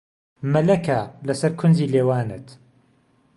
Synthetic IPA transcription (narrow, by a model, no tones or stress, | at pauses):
mɐlɐkʰalɐsɐɾkʰʊndiːleːwaːnɨ̰t̪